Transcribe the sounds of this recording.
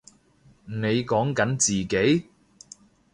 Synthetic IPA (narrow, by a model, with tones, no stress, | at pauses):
ne˨˧jkɔː˨˥ŋkɐ˨˥nt͡siː˨˩ke˨˥j